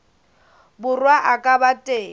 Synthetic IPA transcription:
bʊrwaʔakʼabatʼeː

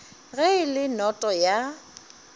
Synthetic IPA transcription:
ɣɛɪlɪnɔtʼɔja

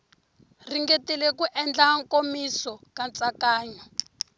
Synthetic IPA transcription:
riŋɡetilɛkuʔɛnd͡ɮaŋkomisɔkant͡sakaːɲɔ

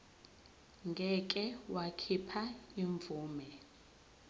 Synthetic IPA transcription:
ŋɡʱɛkʼɛwakʰipʰaiɱvuːmɛ

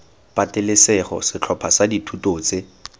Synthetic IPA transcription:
patɪlɪsɛχɔ̰sɪt͡ɬʰɔpʰasaditʰutoːt͡se

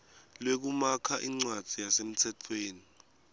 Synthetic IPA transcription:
lwek̬umakʰaʔiŋ͡ǀwad̥d͡z̥ʱijasem̩tʰɛt͡fʰweːni

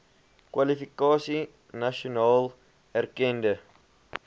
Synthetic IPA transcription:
kwalifikɑːsi | nɐʃonɑːl | ærkɛndə

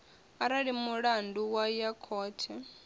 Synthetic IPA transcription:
aɾaɺimuɺanduwajakʰɔːtʰɛ

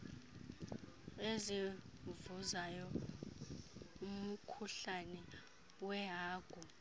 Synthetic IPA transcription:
ezivuzajɔ | um̩kʰuɬanɛ | wɛɦaːɡ̥ʱu

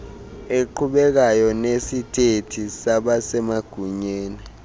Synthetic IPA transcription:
eǃʰuɓɛk̬ajɔnesitʼetʰisaɓasɛmaɡ̥ʱuɲeːni

